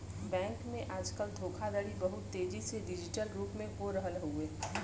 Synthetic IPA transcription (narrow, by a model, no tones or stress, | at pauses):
bɛ̃ːŋkmẽʔaːd͡ʒkəld̪ʱoːkʰad̪əɽibəɦʊt̪ːeːd͡ʒiseɖɪd͡ʒɪʈəlɾuːpmẽkoɾəɦəlɦueː